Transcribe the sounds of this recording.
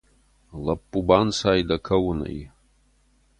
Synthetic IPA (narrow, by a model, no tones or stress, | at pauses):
lɐpʼːubansajdɐkʰɐwnɐ̰j